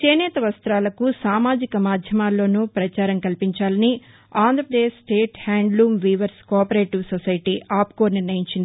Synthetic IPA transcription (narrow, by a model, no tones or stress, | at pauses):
t͡ʃeːnɛːt̪ɐʋɐst̪ɾaːlɐkusaːmaːd͡ʒikɐmaːd̪ʱjɐmaːlːo̞ːnupɾɐt͡ʃaːɾɐŋkɐlpiɲt͡ʃaːlɐni | aːnd̪ʱɾɐpɾɐd̪eːd͡ʒsʈeːʈhaːɳɖluːmʋiːʋɐɾskɔːpɐɾeːʈiʋsɔsɐjɐʈiʔaːp̚koːɾniɾnɐjiɲt͡ʃind̪i